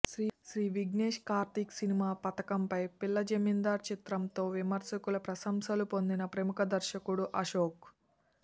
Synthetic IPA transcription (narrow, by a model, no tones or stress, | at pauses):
ʃɾiːʃɾiːʋiɡneːʂkaːɾt̪iksinimaːpɐt̪ɐkɐmpɐjpilːɐd͡ʒemind̪aːɾt͡ʃit̪ɾɐmt̪o̞ːʋimɐɾsɐkulɐpɾɐsɐmsɐlupo̞nd̪inɐpɾɐmukɐd̪ɐɾʃɐkuɽuʔɐʃoːk